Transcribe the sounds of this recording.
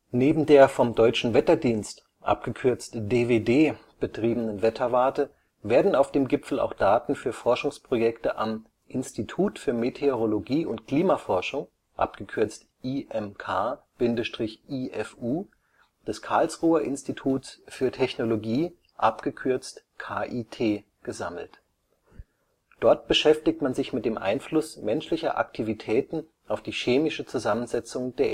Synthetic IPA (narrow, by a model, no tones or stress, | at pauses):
neːbm̩deːɐfɔmdɔʏt͡ʃn̩vɛtɐdiːnst | ʔa̰p̚ɡ̥əkʰʏɐt͡stdeːveːdeː | b̥ətʁ̥iːbənənvɛtʰɐvaɐtə | veːɐdn̩aʊfd̥eːmɡɪpp͡fl̩a̰ʊxd̥aːtn̩fyːɐfɔɐʃʊŋspʁ̥ojɛktəʔam | ʔɪnstitʰuːtfyːɐmetʰeoʁoloɡiːʊntkʰl̥iːmafɔɐʃʊŋ | ʔa̰pɡ̥əkʰʏɐt͡st | ʔiʔɛmkʰaː | b̥ɪndəʃtʁ̥ɪçʔiʔɛfuː | d̥ɛskʰaɐlsʁuːɐʔɪnstitʰuːtsfyːɐtʰɛçnoloɡiː | ʔa̰pɡ̥əkʰʏɐt͡st | kʰaːʔiːtʰeː | ɡ̥əzaml̩t | d̥ɔɐtb̥əʃɛftɪk̚tmanzɪçmɪt̚d̥eːmʔa̰ɪnflʊsmɛnʃlɪçɐ̰ʔa̰ktʰivitʰɛːtn̩ | ʔaʊfd̥iːʃeːmɪʃət͡suzamənzɛt͡sʊŋdeːɐ